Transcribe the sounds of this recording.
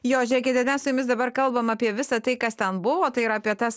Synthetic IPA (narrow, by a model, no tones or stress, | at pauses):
joːʒʲɛɪkʲɪt̪ʲɛmʲɛsʊjʊmʲɪsd̪ɐbɐɾkɐlˠbɐmɐːpʲiɛʋʲɪsɐt̪ɐɪkɐst̪ʲɛnbʊʋoːt̪ɐɪɪɾɐːpʲiɛt̪ɐs